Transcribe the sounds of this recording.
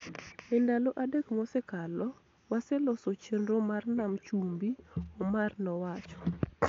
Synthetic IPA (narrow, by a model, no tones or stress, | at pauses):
ɪndaloʔadekmɔsɛkalɔ | wasɛlɔsot͡ʃenɾomarnamt͡ʃumbiɔmarnɔwat͡ʃɔ̥